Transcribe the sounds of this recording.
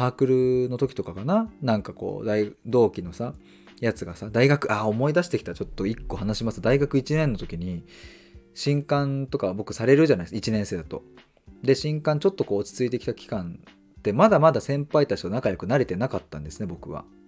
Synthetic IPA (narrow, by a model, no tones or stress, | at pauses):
haːkɯ̟ɾɯ̟no̞t̪o̞kʲi̥t̪o̞kakananãŋkako̞̰ːd̪aid̪o̞ːkʲino̞sa | jat͡sɨɡasad̪aiɡakɯ̟ʔao̞mo̞id̪aɕi̥t̪e̞kʲi̥t̪at͡ɕo̞t̪ːo̞ikːo̞hanaɕimasɨd̪aiɡakɯ̟it͡ɕinẽ̞nːo̞t̪o̞kʲiɲ̟i | ɕĩŋkãnt̪o̞kaβbo̞kɯ̟saɾe̞ɾɯ̟ʑanaisit͡ɕinẽ̞ɰ̃se̞ːd̪at̪o̞ | d̪e̞ɕĩŋkãɲ̟t͡ɕo̞t̪ːo̞ko̞ːi̥t͡sɨit̪e̞kʲi̥t̪akʲi̥kãn | t̪e̞mad̪amad̪asẽ̞mpait̪at͡ɕi̥t̪onakajo̞kɯ̟naɾe̞t̪e̞nakat̪ːã̰nd̪e̞sɨne̞bo̞kɯ̟βa̰